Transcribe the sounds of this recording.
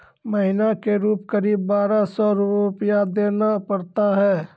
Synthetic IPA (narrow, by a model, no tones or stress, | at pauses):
mɐɦɪnakeɾuːpkəɾiːbːaːɾasɔɾʊʊpjad̪eːnapɐɾt̪aɦɛː